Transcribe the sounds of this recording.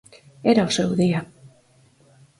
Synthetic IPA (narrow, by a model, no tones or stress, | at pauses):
eɾaosoewðea